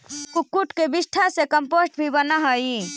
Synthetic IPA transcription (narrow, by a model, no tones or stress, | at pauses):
kukːuʈkebɪsʈʰasekəmpoːsʈ̚bʱibənaɦəi